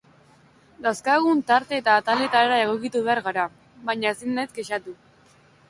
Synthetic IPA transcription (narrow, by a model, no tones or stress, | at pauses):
d̪awskaɣ̞unt̪aɾt̪e̞ːt̪aːt̪ale̞t̪aeɾae̞ɣ̞o̞kit̪uβe̞aɾɣaɾa | βajɲaesinet̪ɡeʃat̪u